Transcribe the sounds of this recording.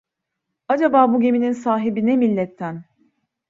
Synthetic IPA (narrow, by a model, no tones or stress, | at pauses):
ad͡ʒabaːbuɟe̞mininsaːɦibinɛmilʲːɛt̪ʰːæn